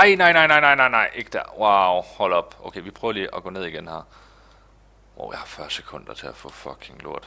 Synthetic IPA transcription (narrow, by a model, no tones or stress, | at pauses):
ɑ̈ɪnɑ̈ɪnɑ̈ɪ̰nɑ̈ɪnɑ̈ɪnɑ̈ɪ̰nɑ̈ɪ̰ʔe̝ɡ̥əd̥æwɑʊhɒ̽l̰ɒ̽b̥ʔoʊkʰeʋipʰʁœːʊɐliːʔɒɡ̥ɔ̽ːne̝ð̞̰ˠiɡ̥enhæɐ | woihɑ̈fɶɐse̥kʰɔ̽n̰d̥ɐt͡sʰe̝æfɔ̰̽fɒkʰeŋlṵɐ̰d̥